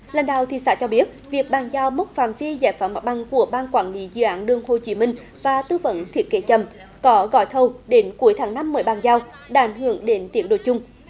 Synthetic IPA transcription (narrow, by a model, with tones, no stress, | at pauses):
la˨˩jŋ̟ɗaː˧˨wt̪ʰḭ˧˨sa̰ː˧˥t͡ɕɔ˧ɓi˦˥ət̚vi˨˩ək̚ɓaː˨˩ŋzaː˧wmə˦˥t̚faː˧˩mvi˧zaː˧˩jfaː˨˩ma˨˦˩t̚ɓa˧˩ŋku˧˩əɓaː˧nkwaː˧˩nlḭ˨˦zɨ̰˧˩ʔaː˨˦nɗɨ˧əŋho˧˩t͡ɕi˨˦mï˧ŋ̟ | vaː˨˩t̪ɨ˧və̰˧˥nt̪ʰi˦˥ət̚ke˨˦t͡ɕə˨˩m | kɔ˨˦ɣɔ̰˧˩jt̪ʰə˧wɗe˨˦nku˨˦əjt̪ʰaː˨˦ŋna˧mːəː˨˦jɓaː˧˩nzaː˧w | ɗaː˧ʔa˨˦jŋ̟hɨ˧˩əŋɗe˨˦nt̪i˨˦ən̚ɗo̰˧˨jt͡ɕʊ˧ŋ͡m